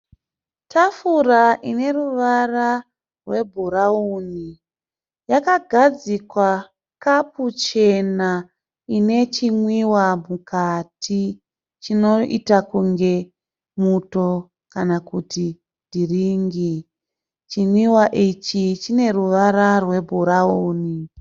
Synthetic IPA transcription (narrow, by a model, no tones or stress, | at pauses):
tʰafuraʔine̞ruʋara | rwe̞bʱuɾauːni | jakaɡʱad͡zikwa | kaput͡ʃe̞na | ine̞t͡ʃimwiwamukatʰi | t͡ʃino̞ʔḭtakuŋɡe̞ | muto̞ | kanakuti | ndiriːŋɡi | t͡ʃimwiwaʔit͡ʃit͡ʃine̞ɾuʋaɾarwe̞bʱuɾauːni